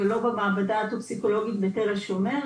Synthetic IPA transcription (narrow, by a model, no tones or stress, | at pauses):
elo̞bemaːbadaːt̪opsiko̞lo̞ɡit̪beteʁelʃeomeʁ